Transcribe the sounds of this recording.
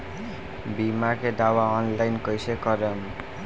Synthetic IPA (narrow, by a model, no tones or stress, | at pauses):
bimaked̪awaɔnlajnkʌjsekʌɾʌm